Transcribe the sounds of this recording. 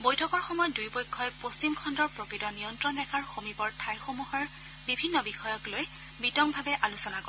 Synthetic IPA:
bojtʰɔkɔɹxɔmɔjɔdujpojkʰːɔjpost͡ɕimkʰɔndɔɹpɹokɹitɔnijɔntɹɔnɹɛkʰaɹxomibɔɹtʰajxomuɦɔɹ | bibʱinːɔbixɔjɔkloj | bitɔmbʱabɛʔalusɔnakɔ

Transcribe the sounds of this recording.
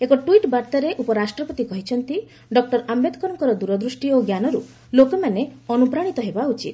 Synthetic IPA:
ekɔʈuiʈbaɾt̪aɾeʔupɔɾasʈɾɔpɔt̪ikɔɦit͡ʃʰɔnt̪i | ɖɔk̚ʈɔɾambed̪ʱkɔɾɔŋkɔɾɔd̪uɾɔd̪ɾusʈioɡjanɔɾu | lokɔmaneɔnupɾaɽ̃it̪ɔɦebaut͡ʃit̪̚

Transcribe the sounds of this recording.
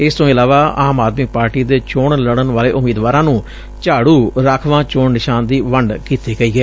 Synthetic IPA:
ɪst̪õːɪlaːʋaːaːmaːd̪miːpaːɾʈiːd̪eːt͡ʃoːɳləɽ̃ənʋaːleːʔʊmiːd̪ʋaːɾãːnũː | t͡ʃaːɽuːɾaːkʰʋãːt͡ʃoːɳnɪʃaːnd̪iːʋəɳɖkiːt̪eːɡəiːɡɛː

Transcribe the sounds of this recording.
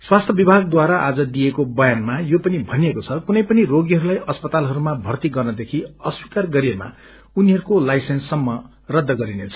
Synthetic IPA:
swast̪ʰjʌbibʱaɡd̪waɾaʔad͡zʌd̪ijekobʌjanmajopʌnibʱʌnijekot͡sʰʌkunʌjpʌniroɡjɦʌɾulajʌspʌt̪alɦʌɾumabʱʌrt̪iɡʌrnʌd̪ekʰiʌswikarɡʌɾiema̰ | uniɦʌɾukolajsensːʌmːʌ | rʌd̪ʱːʌɡʌɾinet͡sʰʌ̥

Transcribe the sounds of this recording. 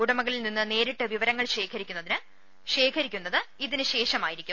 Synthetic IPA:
uɽɐmɐɣɐɭilninːɨne̞ːɾiʈːɨʋiʋɐɾɐŋːɐɭɕe̞ːkʰɐɾikʲːunːɐðinɨ | ɕe̞ːkʰɐɾikʲːunːɐðɨiðinɨɕe̞ːʂɐmaːjiɾikʲːum

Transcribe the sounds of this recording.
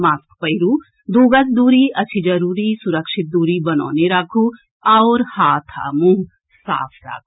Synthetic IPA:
maːskpɐɪɾuː | d̪oːɡəsd̪uːɾiɐt͡ʃʰid͡ʒɐɾuːɾisʊɾəkʃɪt̪̚d̪uːɾibɐnɔ̰ːneɾaːkʰu | ɐːɾhaːt̪ʰa̰mũɦ | sa̰ːpʰɾa̰ːkʰu

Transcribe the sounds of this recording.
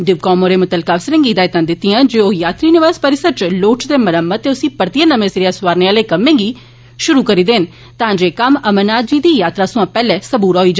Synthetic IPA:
d̪ɪʋkɔːmoːɾeːmət̪əlkaːsɾɪ̃ŋɡiːd̪aːɪt̪ãːd̪ɪt̪ːijãːd͡ʒeːoːjaːt̪ɾiːnɪʋaːzpəɾɪsəɾt͡ʃloːʈd̪eːməɾəmːət̪ːeːʊsĩːpəɾt̪ianəmẽːsɾijaːsʋaːɾneːaːleːkəmːẽːŋɡiː | ʃʊɾuːkəɾiːd̪eːn | t̪ãːd͡ʒeːkəməmənaːd̪d͡ʒiːd̪iːjaːt̪ɾaːsʊ̃ãːpɛːlɛːsəbuːɾɦoːiːd͡ʒa

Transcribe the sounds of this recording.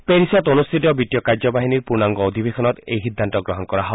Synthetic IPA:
peɾisɔt̪onust̪ʰit̪ɔbiʈijɔkaɾd͡ʒɔbaɦiniɾpuɾnaŋɡɔod̪ʱibekʰɔnɔt̪ḛjɦid̪ʱːant̪ɔɡɾɔɦɔnɔkɔɾaɦɔe

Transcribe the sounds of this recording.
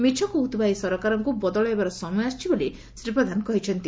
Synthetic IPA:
mit͡ʃʰɔkuɦut̪baisɔɾɔkaɾɔŋkubɔd̪ɔɭɔebaɾɔsɔmɔjast͡ʃʰiboli | sɾipɾɔd̪ʱanɔkɔɦit͡ʃʰɔnt̪i

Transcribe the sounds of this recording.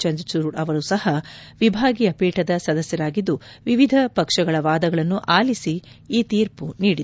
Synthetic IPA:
t͡ʃɐɲd͡ʒt͡ʃuɾuɐʋɐɾusɐhɐʋibʱaːɡijɐpiːʈɐd̪ɐsɐd̪ɐsjɐɾaːɡid̪ːuʋiʋid̪ʱɐpɐkʂɐɡɐɭɐʋaːd̪ɐɡɐɭɐnːuʔaːlisi | iːt̪iːɾpuniːɽid̪

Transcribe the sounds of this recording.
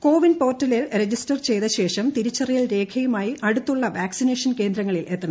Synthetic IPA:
ko̞ːʋinpo̞ːrtːɐliɭred͡ʑistɐrt͡ɕe̞jðɐɕe̞ːʂɐmt̪iɾut͡ɕːɐrijɐɭɾe̞ːkʰɐjumaːjiʔɐɽut̪ːuɭːɐʋaːksineːʂɐnke̞ːnd̪ɾɐŋːɐɭilʔe̞t̪ːɐɳ

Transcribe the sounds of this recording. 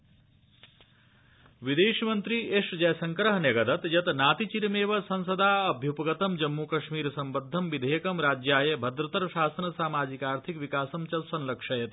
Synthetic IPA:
ʋid̪eːʃmɐnt̪ɾieʂd͡ʒɐjsɐŋkɾɐɦneɡɐd̪ɐt̪jɐt̪naːt̪it͡ʃiɾmeːʋɐsɐnsɐd̪aɐbʱjupɐɡɐt̪ɐmd͡ʒɐmːukɐʃmiːɾsɐmbəd̪ʱːɐmbid̪ʱɐjɐkɐmɾaːd͡ʒjaːjɐbʱɐd̪ɾɐt̪ɐɾʃaːsɐnɐsaːmaːd͡ʒikaːɾt̪ʰikʋikaːsɐmt͡ʃɐlsɐnlɐkʂʰɐjɐt̪

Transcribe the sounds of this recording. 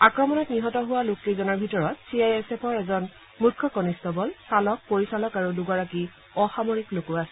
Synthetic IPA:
akɹɔmɔnɔtniɦɔtɔɦʊwalokːezɔnaɹbʱitɔɹɔtsiajɛsepʰɔɹɛzɔn | mukʰːɔkɔnistɔbɔlsalɔk̚poɹisalɔkaɹuduɡɔɹaki | ɔxamoɹiklokuasɛ

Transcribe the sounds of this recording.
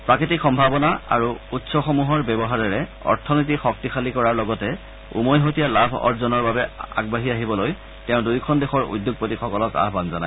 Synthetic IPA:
pɹakɹitikxɔmbʱabɔnaa̰ɹuutsɔxɔmuɦɔɹbɛbɔɦaɹɛɹɛɔ̰ɹtʰɔnit̬ixɔk̚tixalikɔɹaɹlɔɡɔtɛ | ṵmojɦotijalabʱɔ̰ɹzɔnɔɹbabɛa̰ɡbaɦiaɦibɔloj | tɛʊ̃dujkʰɔndexɔɹṵdjʊɡ̚potixɔkɔlɔka̰ɦbanzanaj

